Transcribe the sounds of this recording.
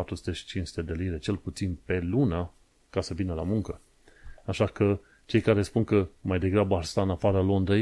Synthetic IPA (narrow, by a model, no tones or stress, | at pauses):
at̪ɾusu̥t̪eʃi̥t͡ʃint͡ʃsu̥t̪e̞d̪e̞liɾe̞t͡ʃe̞lput̪sinpe̞luna | kasəvinəlamuŋkə | aʃakə | t͡ʃe̞jkaɾe̞spunkəmajd̪e̞ɡɾabəaɾst̪aɨnafaɾəlo̞nd̪ɾej